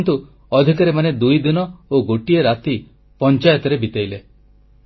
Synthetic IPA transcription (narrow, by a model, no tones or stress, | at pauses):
nt̪u | ɔd̪ʱikaɾemaned̪ujd̪inɔoɡoʈieɾat̪i | pɔnt͡ʃajɔt̪ɔɾebit̪ajle